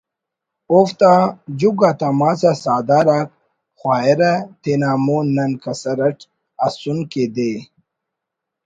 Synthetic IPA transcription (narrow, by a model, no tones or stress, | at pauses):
oft̪ad͡ʑuɡat̪amasasaːd̪aɾak̚ | xʷwaːeɾat̪enaːmunːɐnkɐsɐɾɐʈ | asunked̪e